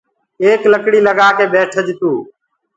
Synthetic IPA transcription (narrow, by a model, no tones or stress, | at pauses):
eːkləkɽiːləɡaːkeːɓeːʈʰəd͡ʒɪt̪uː